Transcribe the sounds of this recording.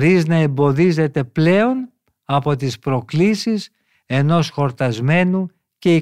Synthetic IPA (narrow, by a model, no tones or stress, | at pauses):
ɾiznɐe̞mbo̞ðize̞t̪e̞ple̞o̞n | ɐpo̞t̪ispɾo̞klisis | e̞no̞sxo̞ɾt̪ɐzme̞nu | ce̞i